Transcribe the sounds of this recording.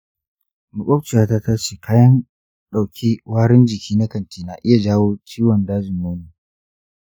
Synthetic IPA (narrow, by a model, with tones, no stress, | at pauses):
mʊ˨kʷʼɔ˦t͡ʃɪ˨jaː˦ta˦taː˦t͡ʃiː˨kʰaː˦jɐ˦n | ɗa˨wkʲi˦waː˦ɽɪ˦nd͡ʒɪ˨kʲʰiː˦na˦kɐ˨ntiː˨na˨ʔɪ˦ja˨d͡ʒaː˦woː˦t͡ʃiː˦wɐ˨ndaː˦d͡ʒɪ˨noː˦niː˨